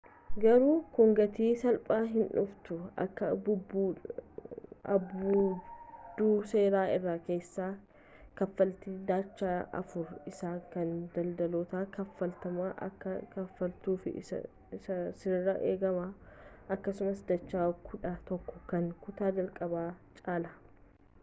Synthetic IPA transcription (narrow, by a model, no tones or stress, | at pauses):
ɡɐɾuːkʊŋɡɐt̪iːsɐlpʼaːɦɪnᶑʊft̪ʊɐ̰kːɐbb | ɐ̰buːd̪̥uːse̞ːɾaːɪrːaːke̞ːsːaː | kɐfːɐlt̪iːd̪aːt͡ʃːaːʔɐ̰fʊɾɪsaːŋkɐnd̪ɐld̪ɐloːt̪aːkɐfːɐlt̪ɐmaːʔɐ̰kːɐkɐfːɐlt̪uːfɪ̰ | sɐsɪrːɐʔeːɡɐmaʔɐkːɐsʊmɐsd̪ɐt͡ʃːaːkʰʊᶑaːt̪ɔkːɔ̥kɐŋkʊt̪aːd͡ʒɐlkʼɐbaːt͡ʃʼaːlɐ